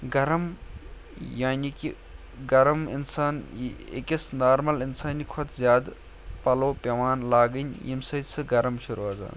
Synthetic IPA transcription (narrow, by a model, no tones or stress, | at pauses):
ɡɐɾɐm | jaːnʲiki | ɡɐɾɐmḭnsaːnḛkisnaːɾmɐlinsaːnʲikʰɔt̪zʲjaːd̪ | pɐloːpɐʋaːnlaːɡɨnʲjḭmsɐsɨɡɐɾɐmʃuɾuaza̰ːn